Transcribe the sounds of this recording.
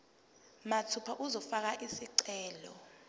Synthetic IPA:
matʰupʰaʔuzɔfak̬aʔisiǀɛːlɔ

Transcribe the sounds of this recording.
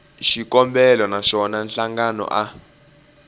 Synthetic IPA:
ʃikɔmbɛlɔnaʃɔnanɬaŋɡanɔ̰ʔa

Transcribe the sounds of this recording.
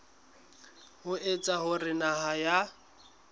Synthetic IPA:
hʊet͡sʼaɦʊrɪnaɦaja

